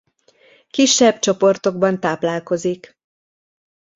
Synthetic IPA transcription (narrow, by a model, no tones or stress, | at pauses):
kiʃːɛbt͡ʃo̞po̞rt̪o̞ɡ̚bɒnt̪aːplaːlko̞zik